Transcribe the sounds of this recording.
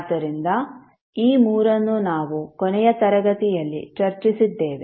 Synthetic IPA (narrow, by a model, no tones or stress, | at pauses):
d̪ɐɾind̪ɐ | iːmuːɾɐnːunaːʋukɔnɛjɐt̪ɐɾɐɡɐt̪ijɐlːḭt͡ʃɐɾt͡ʃisid̪ːeːʋe